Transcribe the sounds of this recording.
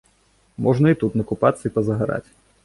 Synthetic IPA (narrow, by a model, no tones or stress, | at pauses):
mʔɔʐnɐit̪ut̪nɐkupat̪sːɐipɐzɐɣaɾa̰t͡sʲ